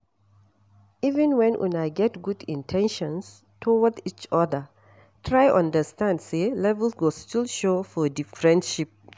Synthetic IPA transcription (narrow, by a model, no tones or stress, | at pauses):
ivɛ̃nwɛ̃nʔɛ̰̃naɪɡɛtɡudḭ̃ntʰɛ̃nʃɔ̃ns | tʰɔwədit͡ʃɔdə | tʰɹajʔãndəstãndselɛvɛlswɔstilʃofɔdifɹɛ̃ndʃip̚